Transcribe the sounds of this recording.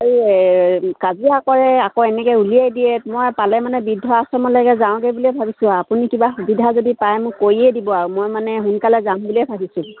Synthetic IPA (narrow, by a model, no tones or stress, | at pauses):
aɹi | kaziakɔɹɛakɔɛnɛkɛulijajdiɛmojpalɛmanɛbidʱːɔasɔmɔlɔjɡɛzãʊ̃ɡɛbulɛbʱabisʊ̃apunikibaxubidʱazodipajmʊ̃kojiɛdibɔaɹumojmanɛɦunkalɛzãmbulɛbʱabisʊ̃